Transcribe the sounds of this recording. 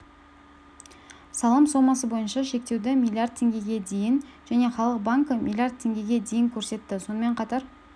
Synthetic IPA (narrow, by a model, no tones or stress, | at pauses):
sɑlˠɑmso̞mɑs̬əbo̞jənʃɑʃe̞k̚t̪e̞wd̪ɪmʲilʲˠijaɾd̪̚t̪ʰːe̞ŋɡʲe̞ɡʲe̞d̪e̞jɪnʒ̥æne̞χɑlˠəq̚baŋkəmʲʔḭlʲˠijaɾrd̪̚t̪ʰːe̞ŋɡʲe̞ɡʲe̞d̪e̞jɪŋkʲʰɵɾse̞t̪ːɪso̞nəme̞ɴqʰɑt̪ɑɾ